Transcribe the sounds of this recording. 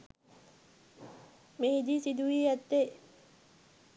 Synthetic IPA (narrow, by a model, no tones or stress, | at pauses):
mehid̪isid̪uʋiːæt̪ːe